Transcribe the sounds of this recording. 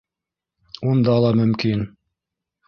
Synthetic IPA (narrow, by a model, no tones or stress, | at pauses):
und̪ɑlˠɑmɵ̆mkin